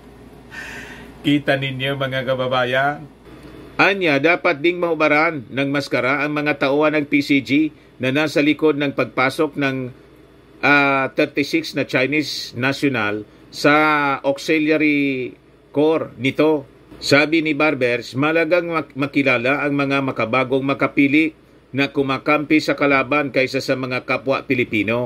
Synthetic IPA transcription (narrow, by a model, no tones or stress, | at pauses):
kiːt̪ɐnɪnjomɐŋakɐbɐbaːjan | ʔanjad̪aːpɐt̪̚d̪ɪŋmɐʔʊbɐɾanːɐŋmɐskɐɾaʔɐŋmɐŋat̪ɐʔohɐnɐŋpisid͡ʒi | nɐnaːsɐlɪko̞d̪̚nɐŋpɐɡ̚paːso̞k̚nɐŋ | ʔat̪ɛɾt̪ɪsɪksnɐt͡ʃajnisnaʃjonal | sɐʔoksɛljaɾi | koɾnɪt̪o̞ | saːbɪnɪbaɾbɛɾsmɐhɐlɐɡaŋmɐkɪlaːlaʔɐŋmɐŋamɐkɐbaːɡo̞ŋmɐkɐpiːlɪʔ | nɐkʊmaːkampɪsɐkɐlaːbankɐjsasɐmɐŋakapwa̰ʔpɪlɪpiːno̞